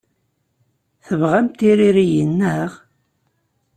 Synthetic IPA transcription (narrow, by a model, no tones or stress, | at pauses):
θəvʁæmt̪iɾiɾijənːəʁ